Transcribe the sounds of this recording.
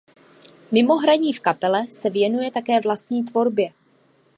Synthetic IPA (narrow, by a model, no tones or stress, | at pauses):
mɪmo̞ɦɾaɲiːfkapɛlɛsɛvjɛnujɛt̪akɛːvlast̪̚ɲiːt̪vo̞ɾbjɛ